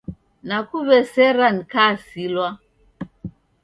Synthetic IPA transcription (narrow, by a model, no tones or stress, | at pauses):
nakuβɛsɛɾanikasilwa